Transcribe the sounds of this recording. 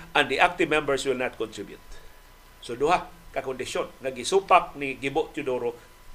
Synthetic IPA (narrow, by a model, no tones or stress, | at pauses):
ãnd̪iʔak̚t̪ɪvmɛ̃mbəɹswɪlnat̪̚kɔnt̪ɹɪbjṵt̪̚ | sodʊhakakɔndɪʃonŋaɡisupak̚niɡɪboʔt̪ʊdoɾo